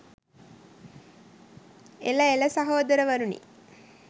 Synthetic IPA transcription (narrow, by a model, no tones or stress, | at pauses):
elɐelɐsɐɦoːd̪ɐɾəʋɐɾunḭ